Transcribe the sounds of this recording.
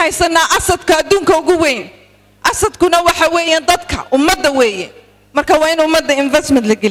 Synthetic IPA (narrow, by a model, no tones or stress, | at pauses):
hɛjsɐnːaːʔɑsɐd̪kʰɐːd̪uːŋkʰɐʊɣʊwɛːn | ʔɑsɐd̪kʰʊnɐwɑħɑːwɛːjaːnd̪ɐd̪kʰɐ̰ʔʊmːɐd̪ːɐwɛːjɛ | mɐrkʰaːwɑːɪnʊmːɐd̪ːɐɪnvɛsmɐnt̪lɐɡɐ